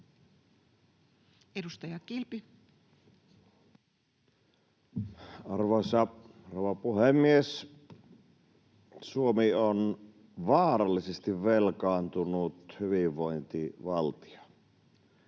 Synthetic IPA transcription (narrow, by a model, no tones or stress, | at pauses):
edust̪ɑjɑkilpi | ɑrʋoˑsɑroˑʋɑpuhemːies | suomion | ʋɑːɾɑlːisest̪iʋʋelkɑːnt̪unut̪hyʋiʋːoint̪iʋɑlt̪i̥o̥